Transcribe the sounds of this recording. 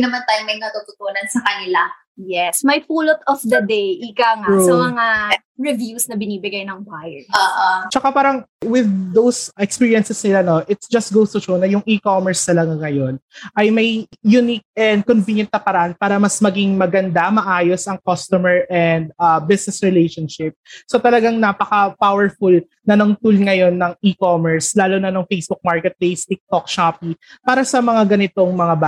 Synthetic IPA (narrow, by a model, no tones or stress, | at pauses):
nɐmant̪aːjʊmɐjnɐt̪ut̪ʊt̪oːnɐnsɐkɐnɪla | jɛsmɐjfuːlot̪ɔfd̪ɐd̪ejʔɪkɐŋasomɐŋa | ɹɛvjusnɐbɪniːbɪɡajnɐŋbaːjɛaːʔat͡ʃɐkapaːɾɐŋ | wɪðːowsɛkspiːɹiɛnsɛsnɪlano̞ʔɪt̪sd͡ʒɐst̪̚ɡowst̪ʊt͡ʃonɐjʊŋʔikomɛɹsnɐlɐɡaŋɐjo̞nʔɐjmɐjjʊnik̚ʔɛnd̪̚konvinjɐnt̪̚kɐpɐɾɐʔanpaːɾɐmɐsmɐɡiŋmɐɡɐnd̪amɐʔaːjo̞sɐŋkost̪ɔmɛɹʔɛnd̪̚ɐbɪsnɛsɹɛlejʃonʃɪp̚sot̪ɐlɐɡaŋnapɐkɐpawɛɹfʊl | nɐnoŋt̪ulŋɐjo̞nːɐŋikomɛɹslaːlonɐnoŋfejsbʊk̚maɹkɛt̪̚plejst̪ɪk̚t̪ok̚ʃapipaːɾɐsɐmɐŋaɡɐnɪt̪o̞ŋmɐŋaba